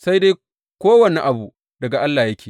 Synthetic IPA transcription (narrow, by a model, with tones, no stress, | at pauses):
sa˦jde˦ | kʷoː˦wɐ˨ni˨ʔa˨bu˨ | dɐ˨ɡa˨ʔa˦lːaː˨jɐ˦kʲeː˨